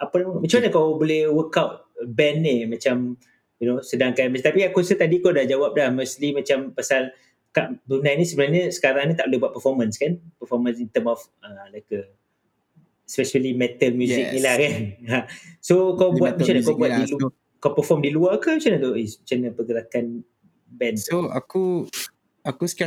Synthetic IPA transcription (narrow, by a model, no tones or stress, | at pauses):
apanaməmat͡ʃamaɲəkawbolɛhwəkawt̚bɛnːimat͡ʃam | junosədaŋkanmat̪apiakuəsəht̪adikodahd͡ʒawap̚lahmoslimat͡ʃampasal | kaʔdunajnisəbənarɲəsə̥kaɾaŋnit̪aʔbolehbuat̚pəfɔmə̃nskanpəfɔmə̃nsint̪əmɔf | əlajkə | ɛspɛʃəlimɛt̪əlmjuzɪknilahkanasokawbuatt̚mat͡ʃaɲakbuat̪dil | kapəfɔmdiluakət͡ʃanədoʔet͡ʃanəpəɡəɾakan | bɛnsoa̰ku | akusk